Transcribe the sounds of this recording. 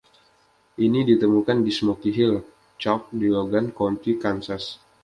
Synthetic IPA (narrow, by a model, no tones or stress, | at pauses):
ʔinidit̪əmukandismokiɦɪl | t͡ʃɔp̚diloɡankont̪ikansas